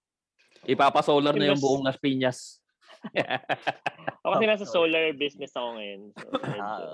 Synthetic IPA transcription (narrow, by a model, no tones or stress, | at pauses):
ʔɪpaːpɐsoːlɐɾnɐjoŋbʊʔoŋnɐspiɲɐs | ʔʔokɐsɛnaːs̬ɐsoːlɐɹbisnɛsɐkoŋɐjon̰